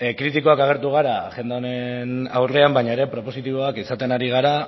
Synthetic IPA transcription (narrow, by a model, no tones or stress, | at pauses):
kɾit̪iko̞akaɣ̞e̞ɾt̪uɣ̞aɾaʝe̞nd̪eonenawre̞ambajɲaeɾe̞pɾo̞po̞sit̪iβo̞akisat̪e̞naɾiɣ̞aɾa